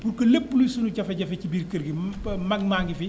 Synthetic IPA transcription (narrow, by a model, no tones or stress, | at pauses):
puɾkɐlepːulisunucɐfɛɟɐfɛcibiːɾkɐɾɡimɐɡmaːŋɡifi